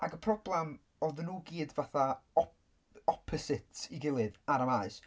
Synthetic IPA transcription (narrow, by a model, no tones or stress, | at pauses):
aɡəpʰrɔblˠɛm | ɔðnːuːɡiːdvaθaɔ | ɔpʰɔsɪtʰsiɡɪlˠɨðaɾamaɨs